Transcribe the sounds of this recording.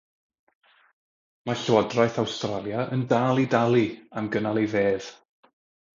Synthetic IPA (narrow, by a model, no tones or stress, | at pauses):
maɬwɔdrajθawstralˠjaʔəndaːlˠidalˠiamɡənalˠejveːð̥